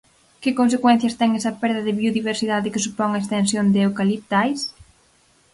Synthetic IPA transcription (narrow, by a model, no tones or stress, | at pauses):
kɪkons̬ekwɛn̟θjɐst̪ɛŋɛsɐpɛɾðɐðɪβioðiβeɾsiðaðɪkɪsupɔŋaekst̪ẽnsjond̪ewkalip̚t̪ajs